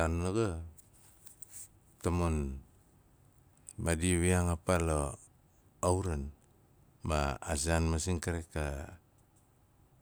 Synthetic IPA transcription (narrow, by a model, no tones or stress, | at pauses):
anloɡa | t̪amon | madiwiaŋapalo | auɾan | maa̰s̬ianmas̬iŋkaɾeka